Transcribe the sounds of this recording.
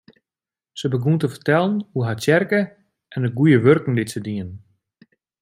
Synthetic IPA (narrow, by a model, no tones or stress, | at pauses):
səbəɡuntəfərtɛlˠənhuɦatɛrkə | ʔɛnəɡujəʋørkŋ̩dɪtsədiən